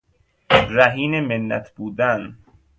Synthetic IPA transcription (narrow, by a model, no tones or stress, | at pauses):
ɾæɦiːnemenːæ̰t̪ʰb̥uːd̪æn